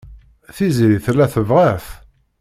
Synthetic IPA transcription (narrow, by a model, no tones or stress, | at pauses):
θiziɾiθlːæθəvʁaf